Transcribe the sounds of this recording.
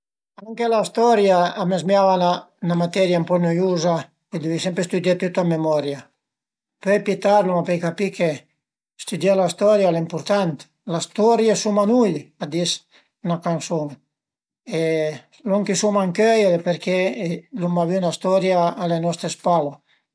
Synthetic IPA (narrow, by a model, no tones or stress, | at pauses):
aŋkelast̪ɔɾjaːmezmjavana | namat̪ɛɾjampɔnojuza | ed̪evisɛmpɾest̪ud̪jat̪ut̪ːamemɔɾja | pøjpit̪aɾlomapɛjkapikʰe | st̪ud̪jalast̪ɔɾjalaimpuɾt̪ant̪ | last̪ɔɾjasumanujad̪is | nakansuŋ | e | lɔŋkisumaŋkøjlepeɾkʰelumaviunast̪ɔɾjaːlenɔst̪ɾespalo